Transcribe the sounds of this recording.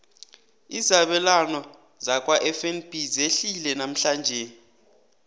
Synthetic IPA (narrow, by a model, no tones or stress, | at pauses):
izaɓɛlanɔ | zak̬ʼwaʔɛfɛnb̥ʱizeɬilɛnam̩ɬand͡ʒʱɛ